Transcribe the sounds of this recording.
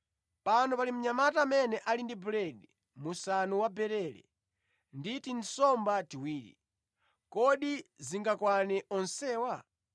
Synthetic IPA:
panɔpalim̩ɲamataːmɛnɛʔalindibulɛɗi | musanuwabɛɾɛɾɛ̰ | nditin̩sɔmbatiwiːɾḭ | kɔɗiziŋɡakwanɛʔɔnsɛːwa

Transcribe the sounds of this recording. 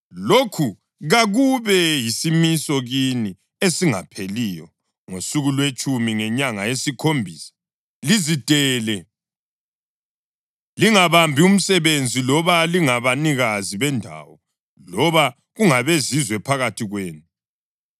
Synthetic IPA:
lokʰu | ɣaɣuβɛjisimisɔɣini | esiŋa̰pʰelijɔ | ŋosuɣulwet͡ʃʼʰumiŋɛɲaŋajesikʰombʱiːsḁ | lizitɛːlɛ | liŋaβambʱium̩sɛβend͡zʱilɔβaliŋaβaniɣaziβɛndʱa̰ːwɔ | lɔβa | ɣuŋaβezizwɛpʰaɣatʰiɣweːnu

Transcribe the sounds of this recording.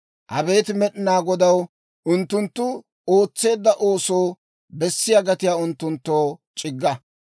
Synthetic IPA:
ʔɐbe̞ːt̪ɪmɛɗɪnaːɡɔd̪ɐw | ʔʊnt̪ːʊnt̪ːʊ | oːt͡sːe̞ːd̪ːɐʔo̞ːso̞ː | bɛsːɪjaɡɐt̪ɪjaːʊnt̪ːʊnt̪ːoːt͡ʃʼɪɡːɐ

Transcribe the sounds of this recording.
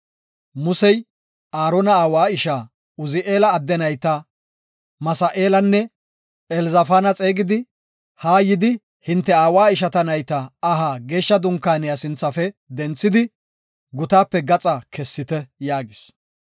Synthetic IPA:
mʊsɛj | aːɾɔnɐaːwaːɪʃaː | ʊzɪʔe̞ːlɐːd̪ːɛnɐjt̪ɐ | mɐsɐʔe̞ːlɐnːɛ | ɛlzɐfaːnɐt͡sʼe̞ːɡɪd̪ɪ | haːjɪd̪ɪ | hɪnt̪ːɛaːwaːɪʃ̬ɐt̪ɐnɐjt̪ɐːɦaːɡe̞ːʃːɐd̪ʊŋkːaːnɪjasɪnt͡sːɐfɛd̪ɛnt͡sːɪd̪ɪ | ɡʊt̪aːpːɛɡɐt͡sʼɐkʰɛsːɪt̪ɛjaːɡɪs

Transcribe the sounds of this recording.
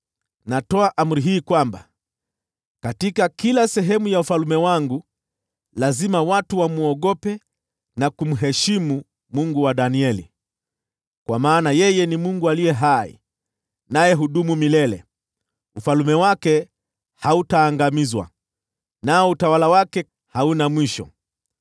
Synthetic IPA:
natɔaʔam̩ɾiɦiːkwamba | katikakilasɛɦɛmujaufalumɛwaŋɡu | lazimawatuwamuɔɠɔpɛ | nakum̩ɦɛʃimu | muŋɡuwaɗaniɛlḭ | kwamaːnajɛjɛnimuŋɡualijɛɦaḭ | najɛɦuɗumumilɛlɛ̰ | ufalumɛwakɛ | hautaːŋɡamizwa̰ | naɔutawalawakɛ | haunamwiʃɔ̰

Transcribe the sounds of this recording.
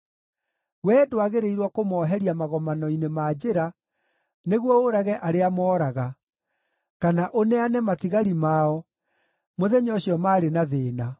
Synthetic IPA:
wɛːdoaɣeɾeiɾwakomɔːɦɛɾiamaɣɔmanɔinemad͡ʑeɾa | neɣwɔoɾaɣɛʔaɾeamɔːɾaɣa | kanaʔonɛanɛmatiɣaɾimaɔ | moðɛɲɔɕjɔmaːɾenaðeːna

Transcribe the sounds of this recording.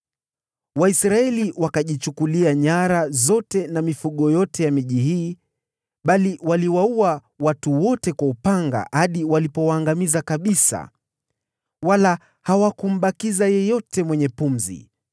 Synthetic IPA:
waisɾaɛliwakaʄit͡ʃukuliaɲaɾazɔtɛnamifuɠɔjɔtɛjamiʄiɦiː | ɓaliwaliwaua | watuwɔtɛkwaupaŋɡa̰haɗiwalipɔwaːŋɡamizakaɓisa̰ | wala | hawakum̩ɓakizajɛjɔtɛmwɛɲɛpum̩zḭ

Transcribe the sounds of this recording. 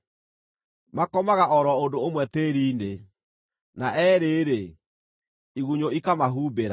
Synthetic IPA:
makɔmaɣaʔɔɾɔondoomwɛt̪eɾiːne | naʔɛːɾeːɾe | iɣuɲoikamaɦuːbeɾa

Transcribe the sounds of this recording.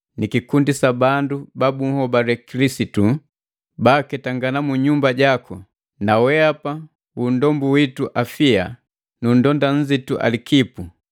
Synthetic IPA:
nikikundisabandubabuŋ̩hɔbaɾɛkilisitu | bakɛtaŋɡanamuɲumbaɟakɔ | nawɛapa | undɔmbuwituʔafia | nundɔndan̩d͡ʒituʔa̰likipu

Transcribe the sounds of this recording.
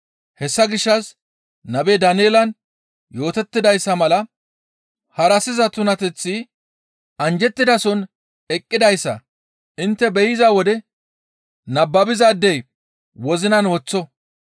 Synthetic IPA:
hɛsːɐɡɪʃːɐs | nɐbed̪ɐneːlɐn | jo̞ːt̪ɛt̪ːɪd̪ɐjsːɐmɐlɐ | hɐɾɐsɪzɐt̪ʊnɐt̪ɛt͡sːɪ | ɐnd͡ʒɛt̪ːɪd̪ɐsɔn | ɛkʼːɪd̪ɐjsːɐ̰ | ʔɪnt̪ːɛbɛjɪzɐwɔd̪ɛ | nɐbːɐbɪzɐd̪ːɛj | wɔzɪnɐnwɔt͡sːɔ

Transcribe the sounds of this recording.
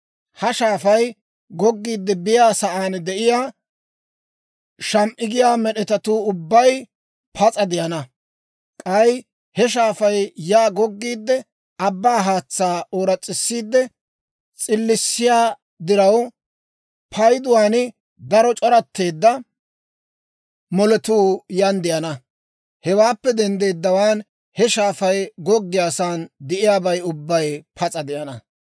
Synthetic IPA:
hɐʃaːfɐj | ɡɔɡːiːd̪ːɛbɪjaːsɐʔaːnd̪ɛʔɪjaː | ʃɐmʔɪɡɪjaːmɛɗɛt̪ɐt̪uːʊbːɐj | pʰɐt͡sʼɐd̪ɪjɐnɐ | kʼɐj | hɛʃ̬aːfɐjjaːɡɔɡːiːd̪ːɛ | ɐbːaːɦaːt͡sːaːoːɾɐt͡sʼːɪsːiːd̪ːɛ | t͡sʼɪlːɪsːɪjaː | d̪ɪɾɐw | pʰɐjd̪ʊwaːnɪ | d̪ɐɾɔt͡ʃʼɔɾɐt̪ːe̞ːd̪ːɐ | mɔlɛt̪uːjɐnd̪ɪʔɐnɐ | hɛwaːpːɛd̪ɛnd̪eːd̪ːɐwaːn | hɛʃaːfɐjɡɔɡːɪjaːsaːnd̪ɪʔɪjaːbɐjʊbːɐjpʰɐt͡sʼɐd̪ɪʔɐnɐ

